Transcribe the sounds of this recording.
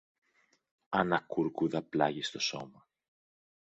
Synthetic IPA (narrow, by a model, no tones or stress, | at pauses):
ɐnɐkuɾkuðɐplɐʝist̪o̞so̞mɐ